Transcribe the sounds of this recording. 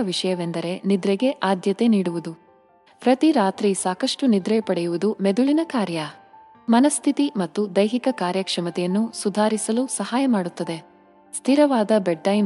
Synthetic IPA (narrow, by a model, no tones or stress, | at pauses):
ɐʋiʂɐjɐʋe̞nd̪ɐɾe̞nid̪ɾeɡe̞ʔaːd̪jɐt̪e̞niːɽuʋud̪u | pɾɐt̪iɾaːt̪ɾisaːkɐʂʈunid̪ɾɐjpɐɽɛjuʋud̪umed̪uɭinɐkaːɾjɐ | mɐnɐst̪ʰit̪imɐt̪ːud̪ɐjɦikɐkaːɾjɐkʂɐmɐt̪ɛjɐnːusud̪ʱaːɾisɐlusɐɦaːjɐmaːɽut̪ːɐd̪e̞ | st̪ʰiɾɐʋaːd̪ɐbeɖ̚ʈɐjm